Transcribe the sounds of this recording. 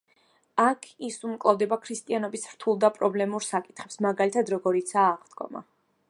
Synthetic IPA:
akʰisumkʼlˠɔvd̪ɛbakʰɾist̪ʼianɔbisɾ̥t̪ʰulˠd̪apʼɾɔblɛmuɾsakʼi̥t̪χɛpsmaɡalit̪ʰad̪ɾɔɡɔɾit̪sʰaːʁd̪ɡɔ̰ma̰

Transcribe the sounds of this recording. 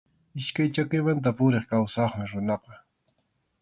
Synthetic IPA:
ɪʃkajt͡ʃakɪjmant̪̬apʊɾeχkawsɑχmɪɾʊnɑqɑ

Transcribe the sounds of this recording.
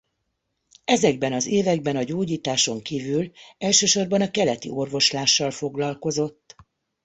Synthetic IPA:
ɛzɛɡ̚bɛnɒzeːvɛɡ̚bɛnɒɟoːɟiːt̪aːʃo̞ŋkiːvylɛlʃøːʃo̞rbɒnɒkɛlɛt̪ḭo̞rvo̞ʃlaːʃːɒlfo̞ɡlɒlko̞zo̞t̪ː

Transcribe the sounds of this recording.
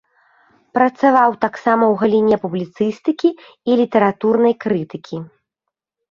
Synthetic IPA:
pɾɐt̪savawt̪aksamɐwɣɐlʲinʲɛpublʲit̪sɨst̪ɨkʲiː | lʲit̪ɛɾat̪urnɐjkɾɨt̪ɨkʲi

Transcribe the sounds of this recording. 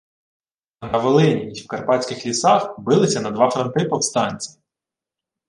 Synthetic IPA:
ɐnɐʋɔlˠɪnʲiiwkɐrpɑt͡sʲkɪxlʲisɑxbɪlˠɪsʲɐnɐd̪ʋɑfɾɔnt̪ɪpɔwst̪ɑnʲt͡sʲi̥

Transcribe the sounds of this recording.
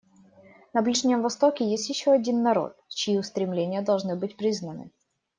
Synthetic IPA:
nɐblʲiʐnʲɪmvɐst̪o̞kʲɪjesʲtʲjɪɕːo̞ɐdʲinːɐɾo̞̰t̪̚t͡ɕɪiʊst̪ɾʲɪmlʲenʲɪjəd̪ɐlˠʐnɨbɨtʲpɾʲiznənɨ̰

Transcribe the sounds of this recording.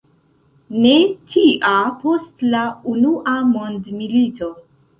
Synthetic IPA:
ne̞tʰiʔapo̞stlaunuʔamondmilito̞

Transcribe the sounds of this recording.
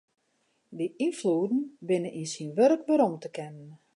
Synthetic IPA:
diʔinfludn̩bɪnənʔinsinʋøɾəkbəɾomtəkɛnən

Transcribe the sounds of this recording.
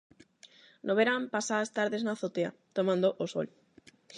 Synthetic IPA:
nʔoβeɾampasaðast̪aɾðeznaθot̪ea̰t̪omãnd̪oʔoso̰l

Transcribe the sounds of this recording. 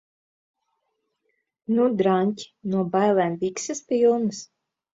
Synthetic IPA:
nud̪ɾanʲcʲi̥nuɔbajlˠɛmvʲiksɨspilˠnɨs

